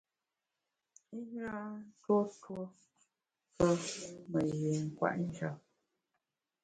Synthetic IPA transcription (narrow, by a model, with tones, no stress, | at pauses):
i˦ɲa˦n˦two˦two˦ | pə˦mə˨je˨ŋ̩˨kwa̰˨ʔn̩˦d͡ʒa˦p̚